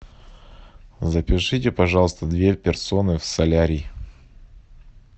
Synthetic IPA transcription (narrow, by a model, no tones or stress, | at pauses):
zəpʲɪʂɨtʲɪpɐʐɑlˠəst̪əd̪vʲepʲɪrso̞nɨfsɐlʲaɾʲij